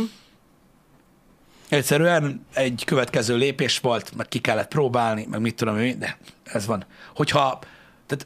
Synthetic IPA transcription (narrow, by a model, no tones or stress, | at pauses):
ɛcsɛɾyɛnɛɟkø̞vɛt̪kɛzøːleːpeːʃʋo̞lt̪mɛk̚kikɛlːɛt̪pɾoːbaːlnimʔɛ̰ɡmit̪ːud̪o̞miid̪ɛɛzʋɒnho̞chɒ | t̪aːt̪